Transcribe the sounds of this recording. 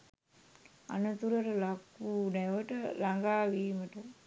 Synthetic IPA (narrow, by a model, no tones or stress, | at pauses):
a̰nət̪uɾəʈəlakːunɛʋəʈəlaŋɡaːʋiːməʈə